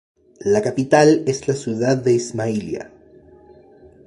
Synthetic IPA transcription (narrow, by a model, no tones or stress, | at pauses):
lakapit̪ale̞zlasjuðaðːe̞izmailja̰